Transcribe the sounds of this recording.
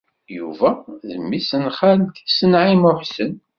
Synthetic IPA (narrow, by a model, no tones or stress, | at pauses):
jṵvæðəmːisənχalt̪isənʕimʊħsən